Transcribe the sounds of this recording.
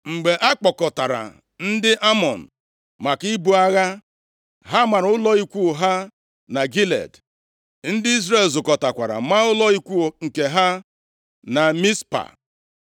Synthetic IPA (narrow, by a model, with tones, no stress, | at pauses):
ŋ͡m̩˨ɡ͡be˨ʔa˦k͡pɔ˨kɔ˨ta˨ɾa̰˨ | n̩˦dɪ˦ʔa˦mɔ˨n̩˨ | ma˨ki˦bu˦a˦ɣa˦ | ɦa˦ma˨ɾʊ˦lɔ˦i˦kʷu˦˨ɦa˦ | na˨ɡi˦lḛ˨d | n̩˦dɪ˦i˦zre˦˨lzʊ˨kɔ˨ta˨kʷa˨ɾa̰˨ma˦ʊ˦lɔ˦i˦kʷu˦ŋ̩˨ke˨ɦa˦ | na˨mi˦spa̰˨